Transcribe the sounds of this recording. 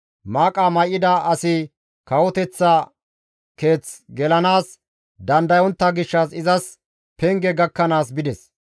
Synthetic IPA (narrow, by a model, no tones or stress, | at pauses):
maːkʼaːmɐjʔɪd̪ɐʔɐsɪ | kɐwɔt̪ɛt͡sːɐ | ke̞ːt͡sɡɛlɐnaːs | d̪ɐnd̪ɐjɔnt̪ːɐɡɪʃːɐsɪzɐs | pɛŋɡɛɡɐkːɐnaːsbɪd̪ɛs